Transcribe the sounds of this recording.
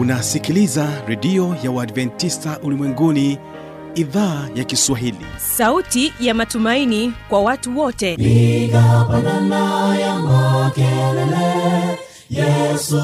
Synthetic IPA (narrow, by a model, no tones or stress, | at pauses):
unasikilizaɾɛɗiɔjawaːdvɛntistaʔulimwɛŋɡuni | iðaːjakiswaɦilḭsautijamatumainikwawatuwɔtɛikapananajamakɛlɛlɛ | jɛsu